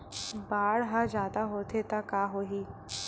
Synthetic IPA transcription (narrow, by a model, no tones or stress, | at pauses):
baːɽɦad͡ʒaːd̪aɦoːt̪ʰet̪akaːɦoːɦiː